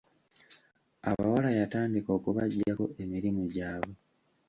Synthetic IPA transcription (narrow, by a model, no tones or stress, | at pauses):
a̰βa̰walajataːndiko̞ːkuβaɟːako̞̰ʔe̞miɾimuɟaːβo